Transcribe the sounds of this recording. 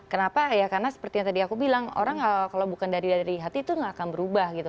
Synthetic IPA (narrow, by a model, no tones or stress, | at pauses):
kənapajakarnasə̥pərt̪iɲat̪adiakubilaŋo̰ɾaŋakalawbukandaɾidaɾiɦat̪iːt̪uŋɡakanbəɾubahɡit̪u